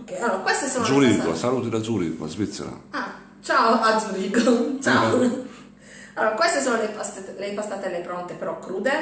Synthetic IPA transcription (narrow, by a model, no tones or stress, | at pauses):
okːɛjalːoːɾakwest̪esoːnouɾiɡoa̰saluːt̪idad̪zuɾḭːɡo̰a̰zvit̪sːḛɾa̰a | t͡ʃaoad̪zuɾiːɡoot͡ʃao | alːoːɾakwest̪esoːnolepast̪lepast̪at̪ɛlːepɾɔnt̪epeɾɔkːɾuːd̪e